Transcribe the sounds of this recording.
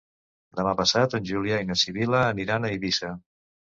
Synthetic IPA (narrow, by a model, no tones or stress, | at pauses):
d̪əmapəsat̪ənʲʒuliainəsiβiləːniɾanəiβisə